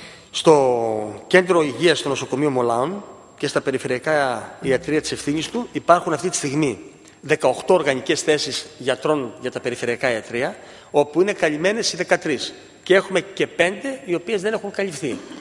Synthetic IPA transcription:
st̪o̞ce̞nd̪ɾo̞iʝiɐst̪o̞no̞so̞ko̞mio̞mo̞lɐon | ce̞st̪ɐpe̞ɾife̞ɾiɐkɐiɐt̪ɾiɐt̪ise̞fθiɲist̪uipɐɾxunɐft̪it̪i̥st̪iɣmi | ðe̞kɐo̞xt̪o̞oɾɣɐɲice̞sθe̞sizʝɐt̪ɾo̞nʝɐt̪ɐpe̞ɾife̞ɾiɐkɐiɐt̪ɾiɐ | o̞puine̞kɐʎime̞ne̞siðe̞kɐt̪ɾis | cee̞xume̞ce̞pe̞nd̪e̞io̞pie̞zðe̞ne̞xuŋkɐʎifθi

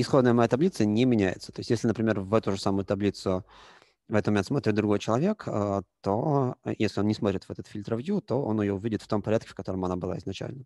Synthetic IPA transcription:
ɪsxo̞d̪nəjəmɐjat̪ɐblʲit̪sənʲɪmʲɪnʲæjɪ̰t̪sət̪o̞ɪsʲt̪ʲjeslʲɪnəpɾʲɪmʲe̞rvɛt̪ʊʐəsamʊjʊt̪ɐblʲit̪sʊ | vɛt̪ət̪məmʲent̪smo̞t̪ɾʲɪt̪̚d̪ɾʊɡo̞jt͡ɕɪlˠɐvʲe̞kət̪ojesʲlʲɪo̞nnʲɪsmot̪ɾʲɪt̪vɛt̪ət̪fʲilʲt̪ɾəvjut̪o̞o̞̰nɪjoʊvʲidʲɪt̪ft̪o̞mpɐɾʲat̪̚kʲɪ̥fkɐt̪o̞ɾəmɐnabɨlˠa̰ɪznɐt͡ɕæ̰lʲnə

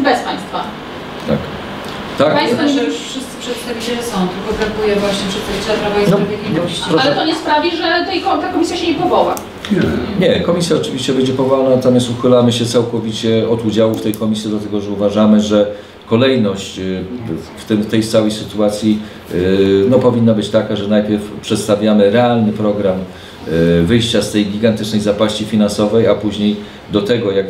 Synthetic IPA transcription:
bɛspaj̃st̪fa | t̪a̰k | t̪akpajsfaʐɛjuʂfʂɘst̪sɘ̥pʂɛt̪st̪avʲit͡ɕɛlɛsɔ̃w̃t̪ɘlkɔpɾak̪ujɛvwaɕɲɛfʂɨst̪sɨt͡ʂɛvɾabɔjɛnɔɾvʲɛkʲinɔɾalɛt̪ɔɲɛspɾavʲiʐɛt̪ɛjkɔt̪akɔmʲisʲjaɕɛɲɛpɔvɔwa | ɲɛkɔmʲisjaɔt͡ʂɘvʲiɕt͡ɕɛbɛɲd͡ʑɛpɔvɔlnat̪amjɛst̪uxɘlamɘɕɛt̪sawkɔvʲit͡ɕɛɔd̪ud͡ʑawuft̪ɛjkɔmʲisjɛd̪lat̪ɛɡɔʐɛuvaʐamɘʐɛ | kɔlɛjnɔɕt͡ɕ | ft̪ɘmt̪ɛjt̪sawɛjsɘt̪uat̪sʲji | nɔpɔvʲinːabɘt͡ɕt̪akaʐɛnajpʲjɛɾfpʂɛt̪st̪avʲjamɘɾɛalnɘpɾɔɡɾam | vɘjɕt͡ɕast̪ɛjɡʲiɡant̪ɘt͡ʂnɛjzapaɕt͡ɕifʲinansɔvɛjapuʑɲej | d̪ɔt̪ɛɡɔjak

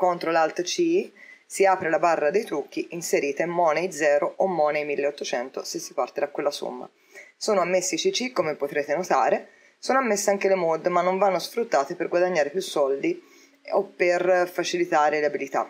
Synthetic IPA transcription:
kont̪ɾolalt̪t͡ʃisiaːpɾelabarːad̪ejt̪ɾuk̟ːiʔinseɾiːt̪aemːɔːnejd̪zɛːɾoomːɔːnejmilːeot̪ːot͡ʃɛnt̪osesːipart̪ed̪akːwelːaso̰mːa̰ | soːnoamːesːiit͡ʃit͡ʃikːomepːot̪ɾeːt̪enot̪aːɾe | soːnoamːesːeaŋk̟elemɔd̪manːoɱvanːosfɾut̪ːaːt̪eperɡwad̪aɲːaːɾepjusːɔld̪i | opːerfat͡ʃilit̪aːɾeleabilit̪a̰

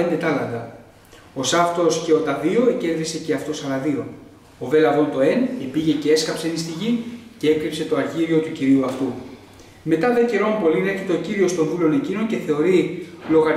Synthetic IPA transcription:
end̪et̪ɐlɐɣɐ | o̞sɐft̪o̞sce̞o̞t̪ɐðio̞ece̞ɾðise̞ce̞ɐft̪o̞sɐlɐðio̞ | ove̞lɐvo̞nt̪o̞e̞nibiʝe̞cee̞skɐpse̞nist̪iʝice̞e̞kɾipse̞t̪o̞ɐɾʝiɾio̞t̪uciɾiuɐft̪u | me̞t̪ɐðe̞ceɾo̞mpo̞lineçit̪eociɾio̞st̪o̞nvuleo̞ne̞cino̞ɲce̞θe̞o̞ɾilo̞ɣɐɾ

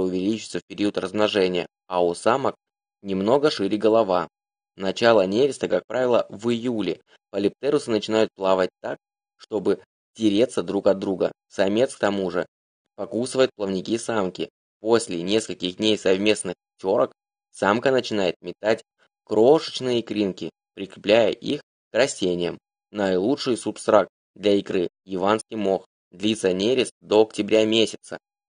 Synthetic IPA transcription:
ʊvʲɪlʲit͡ɕɪ̥t̪səfpʲɪɾʲiʊt̪rəzmnɐʐɛnʲɪjə̰ | ɐʊsamək̚ | nʲɪmno̞ɡəʂɨɾʲɪɡəlˠɐva | nɐt͡ɕalˠənʲevʲɪst̪əkak̚pɾʔavʲɪlˠəvɨjulʲɪ | pəlʲɪp̚t̪ɛɾʊsɨnət͡ɕɪnajʊt̪̚plˠavət̚ʲt̪ak̚ | ʂt̪o̞bɨ | tʲɪɾʲet̪səd̪ɾukɐd̪ːɾuɡəsɐmʲe̞t̪sk̚t̪ɐmuʐɨ | pɐkusɨvəjʊt̪̚plˠəvnʲɪkʲisamkʲɪ̰ | po̞sʲlʲɪnʲe̞skəlʲkʲɪxdʲnʲejsɐvmʲe̞snɨxptʲo̞ɾək | samkənət͡ɕɪnajɪt̪̚mʲɪt̪atʲ | kɾo̞ʂɨ̥t͡ɕnɨjəkɾʲinkʲɪ | pɾʲɪkɾʲɪplʲæjə̰ʔix | kɾɐsʲtʲenʲɪjəm | nəjlˠutʂɨjsʊpst̪ɾak̚t̪ | d̪lʲɐɪkɾɨ | jɪvanskʲijmo̞x | d̪lʲit̪sənʲeɾʲɪsd̪o̞ɐktʲɪbɾʲamʲesʲɪt̪sə̰

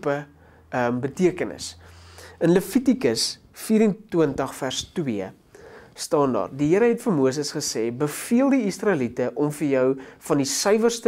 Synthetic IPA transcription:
pə | əmbətiəkənə̰s | ənləfitikəs | fiːɾəntːwəntəχfærstwiə | stɑːndɑ̰ːrdiɦiəɾəɦɛtfəmuəs̬əsχəsɛːbəfiəlˠdiisrɑəlitəʔɔmfərjœwfɐndisəjvərst

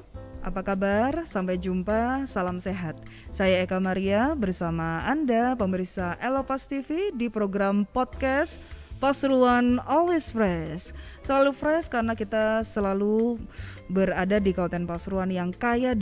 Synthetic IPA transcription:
ʔa̰pakabarsampajd͡ʒumpasalamseɦat̪̚ | sajaekamaɾiabərsamaːndapəməɾisaʔɛlopast̪ifidipɾoɡɾampɔt̪̚kɛspasɾuanɔlwesfɾɛsːəlalufɾɛskaɾənakit̪asəlalu | bəradadikant̪ɛnpasɾuanjaŋkaja

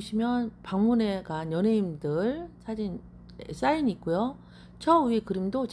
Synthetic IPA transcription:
ɕʰimjʌnpaŋmune̞ɡanjʌnɦe̞imdɯɭsʰad͡ʑin | es͈ainik̚k͈ujo | t͡ɕʰʌuekɯɾimdot͡ɕ

